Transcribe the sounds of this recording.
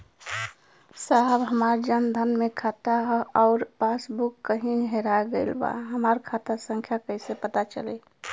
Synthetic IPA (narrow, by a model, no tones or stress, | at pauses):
saɦbɦəmaːɾd͡ʒənd̪ʱənmekʰaːt̪aɦɔːɾpasbukːəɦĩnɦeɾaeɡəɪlba̰ɦəmaɾkʰat̪asə̃ŋkʰjakəɦsepət̪at͡ʃə̰le